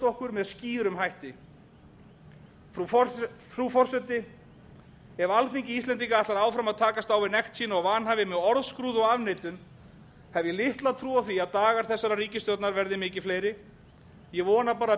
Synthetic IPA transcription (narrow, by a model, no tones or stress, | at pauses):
t̪ɔhkʏɾmɛðsciːɾʏmɦajht̪ɪ | fufɾufɔr̥sɛt̪ɪ | ɛɾalθiɲcɪist̪lɛnt̪iŋkaat̪laɾaːwfɾamaðt̪ʰaːkast̪aːwvɪnɛxt̪siːnaɔɣvaːnɦavɪmɛðɔɾðskɾuːðɔɣavnejt̪ʏn | hɛvjɛlɪht̪laðt̪ʰɾuːawθiaðt̪aːɣaɾ̥θɛsːaɾariːcɪst̪œwt̪naɾvɛɾðɪmɪːcɪfleːjɾɪ | jɛɣvɔːnapaːɾa